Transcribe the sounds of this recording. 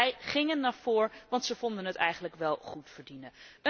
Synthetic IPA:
ɛjχɪŋənːaːɹv̥oːɹʋɑntsəvɔndənɦətɛ̰jχənləkʋɛlˠχutfəɹdinəə

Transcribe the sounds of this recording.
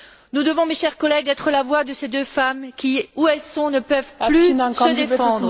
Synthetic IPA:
nud̪əvɔ̃meʃɛʁkɔlɛɡ̪ɛt̪χəlavwad̪əsed̪øfamkʲiuɛlsɔ̃nəpœvplỹsəd̪effɑ̃d̪ʁ

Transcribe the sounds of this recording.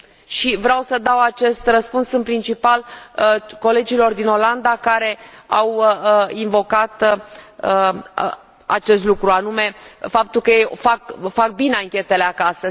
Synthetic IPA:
ʃivɾeawsəd̪awat͡ʃe̞st̪rəspunsɨnpɾint͡ʃipaləko̞le̞d͡ʒilo̞rd̪ino̞land̪akaɾe̞awinvo̞kat̪əə | a̰t͡ʃe̞st̪lukɾuanume̞fap̚t̪ulkəjejfak̚fak̚bineaŋkʲe̞t̪e̞le̞akasə

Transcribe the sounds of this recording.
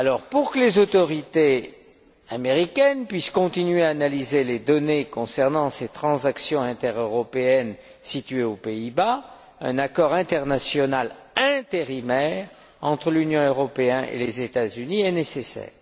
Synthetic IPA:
alɔʁpuʁkəlezot̪ɔʁit̪e | ameʁikʲɛnpɥiskɔ̃t̪inɥeaːnalizeled̪ɔnekɔ̃sɛʁnɑ̃set̪χɑ̃zaksjɔ̃ɛ̃t̪ɛʁøʁɔpeɛn | sit̪ɥeopeiba | ɛ̰̃nakɔʁɛ̃t̪ɛʁnasjɔnal | ɛ̃t̪eʁimɛʁ | ɑ̃t̪χəlynjɔ̃øʁɔpeɛ̃ʔḛlezet̪azyniɛnesesɛ̰ːʁ

